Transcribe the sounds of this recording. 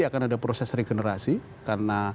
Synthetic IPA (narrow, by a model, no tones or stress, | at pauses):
iakanadapɾosɛsreɡenəɾasi | karna